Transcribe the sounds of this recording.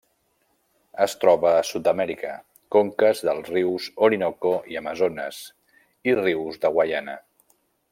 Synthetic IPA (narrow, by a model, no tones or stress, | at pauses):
əst̪ɾɔβəːsut̪̚d̪əmɛɾikə̰ | koŋkəzðəlˠzriwzoɾinokoiəməzonəz | iriwzðəɣwajanə̰